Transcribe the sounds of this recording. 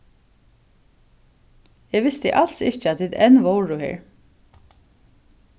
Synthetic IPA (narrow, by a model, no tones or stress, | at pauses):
ɛʋɪst̪ɪʔalsɪt͡ʃat̪ʰɪt̪ɛnʋɔwɹʊhɛ̰ːɹ